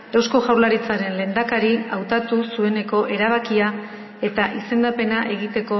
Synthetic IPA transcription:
ewsko̞ʝawlaɾit͡saɾe̞nle̞ːnd̪akaɾiawt̪at̪usue̞ne̞ko̞ʔe̞ɾaβ̞akia | e̞t̪aʔise̞nd̪ape̞naʔe̞ɣit̪e̞ko̞

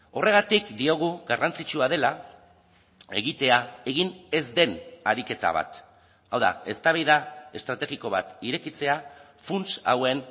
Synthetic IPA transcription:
o̞re̞ɣ̞at̪ikd̪io̞ɣ̞uɣarant͡sit͡ʃuað̞e̞la | e̞ɣit̪e̞ae̞ɣine̞zd̪e̞naɾike̞t̪a̰β̞a̰t̪ | awða̰e̞st̪aβ̞ajðae̞st̪ɾat̪e̞ɣiko̞β̞at̪iɾe̞kit͡se̞a | funt͡sa̰we̞n

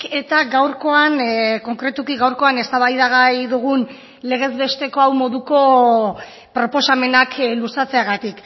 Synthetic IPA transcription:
e̞t̪aɡawɾko̞anko̞ŋkɾet̪ukiɣawɾko̞ane̞st̪aβajðaɣajðuɣun | le̞ɣ̞e̞zβe̞st̪e̞ko̞awmo̞ðuko̞ | pɾo̞po̞same̞naklusat͡se̞aɣat̪ik

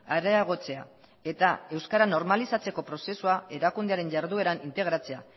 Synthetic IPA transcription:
aɾeaɣ̞o̞t͡se̞a̰ | e̞t̪ae̞wskaɾano̞ɾmalisat͡se̞ko̞pɾo̞se̞suae̞ɾakund̪eaɾe̞ɲʝaɾðue̞ɾanint̪e̞ɣ̞ɾat͡se̞a

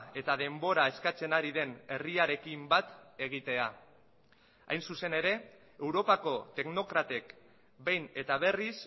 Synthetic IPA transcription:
e̞t̪að̞e̞mbo̞ɾae̞skat͡se̞naɾiðe̞ne̞riaɾe̞kimbat̪e̞ɣ̞it̪e̞a | a̰jnsuse̞ne̞ɾe̞ | ewɾo̞pako̞t̪e̞ɡno̞kɾat̪ek | be̞jne̞t̪aβ̞e̞ris

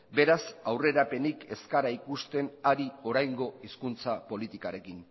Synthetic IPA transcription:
be̞ɾasawre̞ɾape̞nike̞skaɾaikust̪e̞naɾio̞ɾajŋɡo̞iskunt͡sapo̞lit̪ikaɾe̞kin

